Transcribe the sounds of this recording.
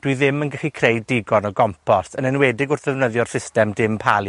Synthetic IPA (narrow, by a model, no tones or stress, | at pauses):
d̥wiðɪmənɡəχikʰrejdɪɡɔnɔɡɔmpʰɔsənɛnwɛdɪɡʊrðɛvnəðjɔr̥sɪstɛmdɪmpʰalˠi